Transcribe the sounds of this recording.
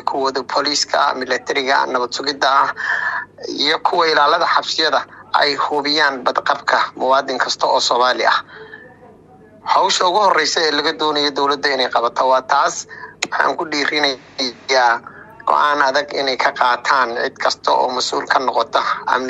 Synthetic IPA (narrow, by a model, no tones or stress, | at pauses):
kʰʊwɐðɔpʰɔliːskʰɐ̰mɪlɐt̪ʰɛɾɪɣɐ̰nɐβɐd̪sʊɣɪd̪ɐh | ijɔkʰʊwɑɪlaːlɐðɐħɑbsɪjɐðɐʔɛ̰jhʊβɪjaːnbɐd̪qɑbkʰɐmʊwɑːd̪ɪŋkʰɐst̪ʰɔɔːsɔːmaːlɪ̰ʔɐ̰h | hɑwʃɐʊɣʊhɔrɛjsɛɛːlɐɣɐd̪ɔːnɐjɔd̪ɔwlɐd̪ʊɪnɛjqɑβɐt̪ʰɔwɑːt̪ʰaːswɑħɑ̰ːŋkʰʊɖiːɾɪnɐ | aː | ɡ̥ɔ̰ʔaːnɐðɐɡɪ̰nɛjkʰɐqɑːt̪ʰaːnʕɪd̪kʰɐst̪ʰɔʔɔ̰ːmɐsʔṵːlkʰɐnɔqɔt̪ʰɔɐ̰m